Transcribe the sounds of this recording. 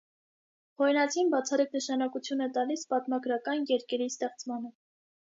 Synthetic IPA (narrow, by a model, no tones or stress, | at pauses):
hɔɾjnɑt͡sʰinbɑt͡sʰɑriknəʃɑnɑkut͡sʰjunɛt̪ɑlispɑt̪mɑɡɾɑkɑnjɛɾkʰɛɾist̪ɛχt͡smɑnə